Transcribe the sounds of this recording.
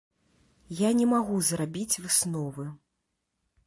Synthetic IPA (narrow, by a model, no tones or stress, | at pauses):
janʲɛmaɣuzɾabʲit͡sʲvɨsnɔvɨ